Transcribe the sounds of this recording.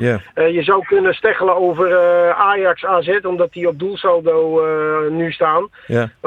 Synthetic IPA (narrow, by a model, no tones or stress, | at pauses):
jəzawkønəstɛχələoːvəraːjaksaːzɛtɔmdɔtiɔp̚dulˠsaldownystaːn